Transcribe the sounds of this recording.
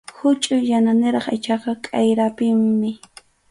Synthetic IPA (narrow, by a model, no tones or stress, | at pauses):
hʊt͡ʃʼʊjananɪɾɑχɪt͡ʃɑqɑkʼajɾapɪmmɪ